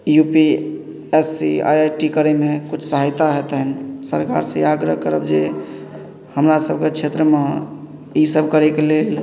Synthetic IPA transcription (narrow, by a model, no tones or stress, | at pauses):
jupi | esːḭa̰jajʈikəɾəmekut͡ʃʰsəɦajt̪aɦɛt̪əɦənsə̰ɾka̰ɾsə̃aɡɾəɦkəɾəbd͡ʒe | həmɾasəbʱket͡ʃʰet̪ɾəme | isəbʱkəɾɛkelel